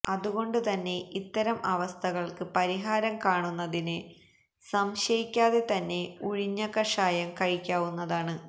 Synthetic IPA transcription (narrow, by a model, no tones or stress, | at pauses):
ɐðuɣo̞ɳɖɨt̪ɐnːe̞it̪ːɐɾɐmʔɐʋɐst̪ʰɐɣɐɭkɨpɐɾiɦaːɾɐmkaːɳunːɐðinɨ | sɐmɕɐjikʲːaːðe̞t̪ɐnːe̞uɻiɲːɐkɐʂaːjɐmkɐɻikʲːaːʋunːɐðaːɳɨ